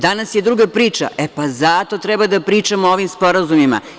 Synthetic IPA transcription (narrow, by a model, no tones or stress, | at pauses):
d̪anasjed̪ɾuɡapɾiːt͡ʃa̰epazat̪o̞t̪ɾɛbad̪apɾiːt͡ʃamooʋimspo̞ɾazumima̰